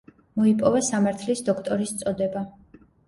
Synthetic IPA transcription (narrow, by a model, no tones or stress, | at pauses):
mɔipʼɔvɛsamaɾt̪ʰlisd̪ɔkʰt̪ʼɔɾist̪sʼɔd̪ɛba